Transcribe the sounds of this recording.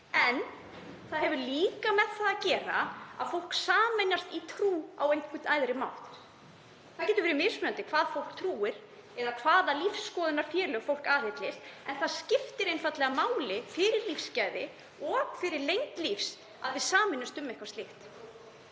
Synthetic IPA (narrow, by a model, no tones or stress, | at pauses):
ɛn | θaðɦɛvʏliːkamɛð̥θaðacɛːɾa̰a̰ðfowl̥ksaːmɛnast̪it̪ʰɾuːa̰wejŋkʰɪt̪aːjðɾɪma̰wlt̪ | θaðcɛːt̪ʏɾvɛɾɪmɪsmʏant̪ɪkʰvaːðfowl̥kt̪ʰɾuːɪɾ̥ | ɛɾakʰvaːðalifsːkɔːðɪnaɾ̥fjɛːlʏɣfowlkaːhɪt̪lɪsɛnθaðscɪft̪ɪɾejnfat̪lɛɣamaːwlɪfɪɾɪɾlifscaːjðɪ | ɔɣfɪɾɪɾlejŋt̪lifs | aðvɪðsaːmɪnːɪmst̪ʏmːɛhkvast̪lɪht̪